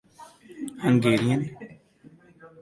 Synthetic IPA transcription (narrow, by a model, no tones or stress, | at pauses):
həŋɡeːɾijãn